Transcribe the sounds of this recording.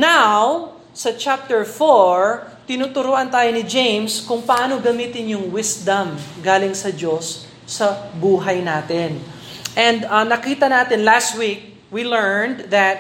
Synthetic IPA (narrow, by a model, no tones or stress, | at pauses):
naw | sɐt͡ʃap̚t̪ɛɹfoɹ | t̪ɪnut̪ʊɾuːʔɐnt̪aːjonɪd͡ʒẽjmskʊŋpɐʔaːno̞ɡɐmiːt̪ɪnjʊŋwɪsd̪ɐmɡaːlɪŋsɐd͡ʒo̞sː | ɐbuːɦɐjnaːt̪ɪn | ʔɛ̃nd̪ɐnɐkiːt̪ɐnaːt̪ɪnlast̪̚wik̚ | wilɛɹnd̪ðɐt̪̚